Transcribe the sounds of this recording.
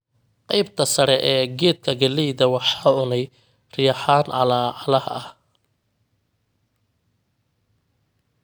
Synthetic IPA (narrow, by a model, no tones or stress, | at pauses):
qɑjbt̪ʰɐsɐɾɛʔɛːɡɛːd̪̚kʰɐɡɐlɛjðɐwɑħɑːʊnɛj | rɪjɑħaːnʕɑ̰laːʕɑlɐhɐ̰ɐh